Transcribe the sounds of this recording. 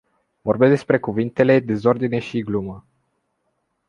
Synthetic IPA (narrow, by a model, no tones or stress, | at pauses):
vo̞rbesd̪espɾe̞kuvint̪e̞le̞d̪e̞zo̞rd̪ine̞ʃiɡlumə